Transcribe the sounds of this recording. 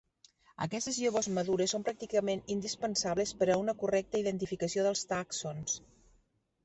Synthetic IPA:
ə̰kɛst̪ezʎoβozməðuɾesːompɾak̚t̪ikəmenind̪ispənsaβləspəɾəunəkurɛk̚t̪əiðənt̪ifikəsioðəlˠst̪aksons

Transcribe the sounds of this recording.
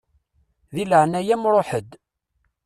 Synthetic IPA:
ðiləʕnæjæmɾˤoħəd̪

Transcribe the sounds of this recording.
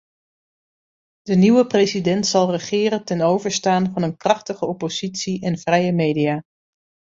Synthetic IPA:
d̥əniʋəprejsidɛntsɑlˠrəχɪːɾətɛnowvəɹstaːnvɑnənkrɑχtəχəɔpoz̥itsiʔɛnv̥rɛjəmejdiaː

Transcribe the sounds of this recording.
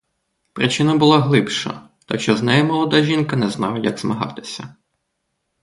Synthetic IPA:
pɾɪt͡ʃɪnɐbʊlˠɑɦlˠɪpʃɐ̰ | t̪akʃt͡ʃɔznɛjɛmɔlˠɔd̪ɑʒʲinkɐnɛznɑlˠɐjɐɡzmɐɦɑ̰t̪ɪ̥sʲɐ

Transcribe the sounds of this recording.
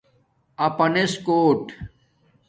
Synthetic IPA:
ɐpɐneskoːʈ

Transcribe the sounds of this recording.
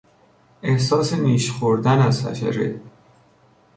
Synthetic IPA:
e̞hsɒːseniːʃxoɾd̪ænæzfæ̰ʃæ̰ɾḛ

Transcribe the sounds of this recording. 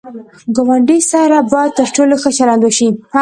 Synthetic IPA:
ɡowaɳɖisaɾabɑt̪əɾʈoloxəʃalɑnd̪oʃi

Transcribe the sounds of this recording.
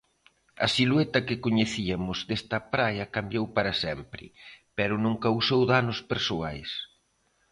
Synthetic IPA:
ɐ̰silwet̪ɐkɪkoɲeθiɐmʊzd̪est̪ɐpɾajɐkambjowpaɾɐsɛmpɾɪ̰pɛɾʊnõŋkawsowðanʊspeɾsoajs

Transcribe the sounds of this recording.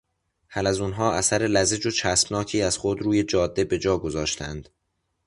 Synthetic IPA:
hælæzuːnɦɒːʔæsæɾe̞læze̞d͡ʒot͡ʃʰæsbnɒːcʰiːæz̥xod̪ɾuːje̞d͡ʒɒːd̪ːe̞be̞d͡ʒɒːɡo̞zɒːʃt̪ʰænd̪̥

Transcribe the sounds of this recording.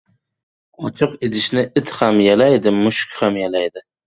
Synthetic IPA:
ɒt͡ʃʰɨqet̪ʰɪʃnɪʔɪt̪hamjalajd̪ɪmʊʃkʲhamjalajd̪ɪ

